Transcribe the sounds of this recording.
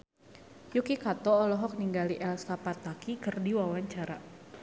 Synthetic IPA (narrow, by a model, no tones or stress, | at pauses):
jukikat̪ɔːlɔɦɔk̚niŋɡaliʔɛlskapat̪akikərdiwawaɲt͡ʃaɾa